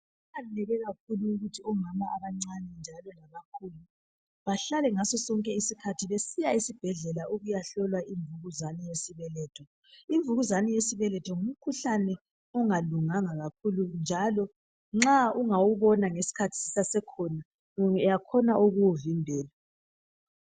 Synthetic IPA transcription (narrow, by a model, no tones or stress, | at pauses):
allɛɣɛɣak̚ʰuluːɣutʰiɔmamaaβaŋ͡ǀanɛnd͡ʒʱalɔnaɣakʰuːlu | βaɬalɛŋasɔsɔŋkʼɛisikʰatʰiβesijaisib̥ʱɛɮɛlauɣujaɬɔlwaʔiɱvuɣuzanijesiβɛlɛːtʰɔ | iɱvuɣuzanijesiβɛlɛtʰɔŋum̩kʰuɬanɛ | ɔŋaluŋaŋaɣak̚ʰulund͡ʒʱalɔ | ŋ͡ǁauŋawuβɔnaŋesi̥kʰatʰi̥si̥sasɛkʰɔna | jakʰɔnaʔuɣuwuvimbʱɛːla